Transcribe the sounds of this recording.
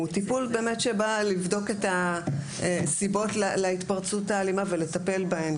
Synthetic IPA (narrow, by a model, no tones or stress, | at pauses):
utipulbe̞ːme̞tʃebalivdo̞ke̞ta | sibo̞tleleit̪paʁt͡sutaːlimavele̞tape̞lbahe̞m